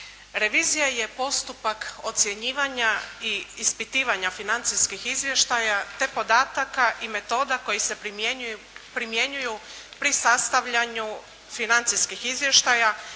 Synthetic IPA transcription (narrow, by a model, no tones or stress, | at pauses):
ɾe̞ʋiːzijaje̞po̞st̪upako̞t̪sje̞ɲiːʋaɲaiːspit̪iːʋaɲafinant̪siskixizʋje̞ʃt̪ajat̪e̞po̞d̪aːt̪akaʔime̞t̪o̞ːd̪ako̞jise̞ | pɾimje̞ɲujupɾisast̪aʋʎaɲu | finant̪siskixizʋje̞ʃt̪aja